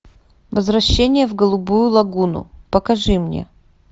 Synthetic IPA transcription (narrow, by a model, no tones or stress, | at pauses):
vəzvɾɐɕːenʲɪjəvɡəlˠubujʊlˠɐɡunʊ̰pəkɐʐɨmnʲḛ